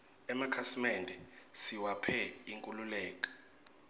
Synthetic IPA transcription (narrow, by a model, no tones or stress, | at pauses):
ɛmakʰasimɛndʱɛsiwapʰɛiŋkʼululɛːk̬ʼḁ